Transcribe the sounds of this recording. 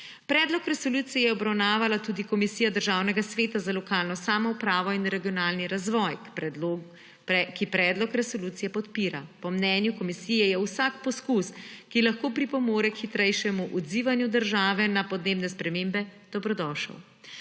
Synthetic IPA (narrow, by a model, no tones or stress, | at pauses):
pɾɛːd̪lɔkɾɛsɔluːt̪sijjɛɔbɾawnaːʋalat̪ud̪ikɔmisijad̪əɾʒaːwnɛɡasʋeːt̪azalɔkaːlnɔsaːmɔupɾaːʋɔinɾɛɡijɔnaːlniɾazʋɔjpɛo | kipɾɛːd̪lɔkɾɛsɔluːt̪sijɛpɔt̪piːɾapɔmnɛːnjukɔmisijɛjɛwsakpɔskuskilaxkoːpɾipɔmoːɾɛkxit̪ɾɛjʃɛmuʔɔd̪ziːʋanjud̪əɾʒaːʋɛnapɔd̪neːbnɛspɾɛmembɛd̪̥ɔbɾɔd̪ɔːʃə̰w